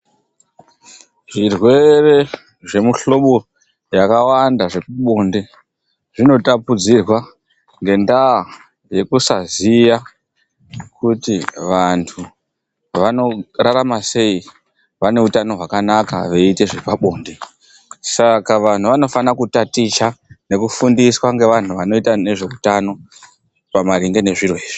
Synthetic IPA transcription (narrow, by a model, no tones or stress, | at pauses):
ʐ̥irwe̞re̞ | ʐe̞muɬo̞ɓo̞ | jakawandaʐe̞paɓo̞nde̞ | ʐ̥ino̞tapud͡zirwa | ŋɡe̞ndaː | je̞kusazija | kutiʋantʰu | ʋano̞raɾamase̞i | ʋane̞utano̞ɦwakanaka̰ʋe̞ite̞ʐepaɓoːnde | sakaʋan̤uʋano̞fanakutatit͡ʃane̞kufundiswaŋɡe̞ʋan̤uʋano̞itane̞ʐe̞kutano̞ | pamaɾiŋɡe̞ne̞ʐiroiːʐ̥i